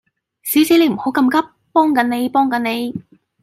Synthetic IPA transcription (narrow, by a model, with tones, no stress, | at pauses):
siː˨˥wsi˨˥ne˨˧jm̩˨˩ho˨˥wkɐ˧mkɐ˥p̚ːɔː˥ŋkɐ˨˥nne˨˧jpɔː˥ŋkɐ˨˥nne˨˧j